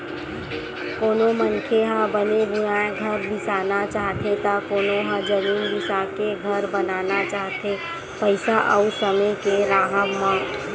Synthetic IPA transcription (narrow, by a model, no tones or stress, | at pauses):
koːnomənkʰeɦãbənebʊjãɡʱəɾd̪ɪsaːnat͡ʃaːɦt̪et̪akoːnoɦãd͡ʒəmiːnd̪ɪsaːkeɡʱɐɾbənaːnat͡ʃaːɦt̪e | pəɪsaʔəusəməjkeɾaːɦəmã